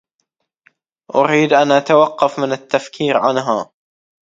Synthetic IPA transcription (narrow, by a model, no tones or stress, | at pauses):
ʔʊɾiːd̪ʔanʔat̪awɑqːɑfmɪnɪt̪ːafkʰiːɾʕanɦaː